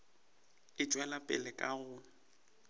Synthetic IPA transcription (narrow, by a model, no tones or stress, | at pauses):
ɪt͡ʃʼwɛlapʼɪlɛkʼaɣʊ